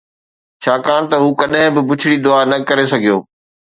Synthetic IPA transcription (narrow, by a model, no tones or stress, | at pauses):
t͡ɕʰaːkaːɽ̃t̪ɐɦuːkɐɗɦɪ̃bɪbʊt͡ɕʰɪɽid̪ʊaːnɐkɐɾesɐɡʱijoː